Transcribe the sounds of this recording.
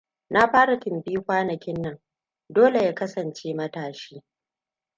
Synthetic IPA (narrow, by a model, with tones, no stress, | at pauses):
na˦ɸaː˦ɽa˨kɪ˨mbiː˦kʷaː˦nɐ˨kʲɪ˦nːɐ˨ŋ | doː˦le˨jaː˦kɐ˦sɐ˨nt͡ʃeː˦mɐ˦taː˨ʃiː˦